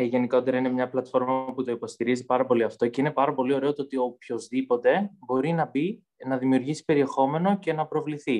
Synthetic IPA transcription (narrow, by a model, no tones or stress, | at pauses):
ʝe̞nikot̪eɾɐinemɲɐplɐt̪fo̞ɾmɐput̪o̞ipo̞st̪iɾizipɐɾɐpo̞liɐft̪o̞ce̞ine̞pɐɾɐpo̞lio̞ɾe̞o̞t̪oot̪io̞pço̞zðipo̞t̪e̞bo̞ɾinɐbi | nɐðimiuɾʝisi̥pe̞ɾie̞xo̞me̞no̞ce̞nɐpɾo̞vliθi